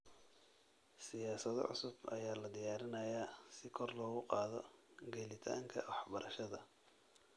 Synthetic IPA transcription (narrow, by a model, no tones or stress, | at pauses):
sɪjaːsɐð̰ʕʊ̰sʊbɐ̰jaːlɐd̪ɪjaːɾɪnɐjasɪkʰɔrlɔːɣʊqɑːðɔɡɛlɪt̪ʰa̰ːŋkʰɐwɑħbɐɾʔɐʃɐðɐ